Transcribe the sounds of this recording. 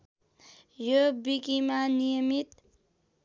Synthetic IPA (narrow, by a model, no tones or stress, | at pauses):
jobikimanijəmit̪